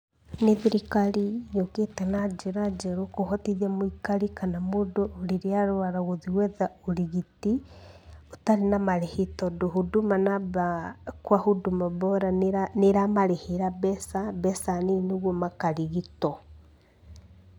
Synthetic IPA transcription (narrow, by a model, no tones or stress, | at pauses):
neðiɾikaɾijoketɛnad͡ʒeɾad͡ʒɛɾokoɦɔtiðiamoikaɾikanamoːdoːɾeɾeaɾoaɾaɣoðiwɛðaoɾiɣiti | otaɾenamaɾehetɔdoɦudumanabakwahudumabɔɾaaneɾamaɾeheɾabɛsabɛsanenoɣwɔmakaɾiɣitɔ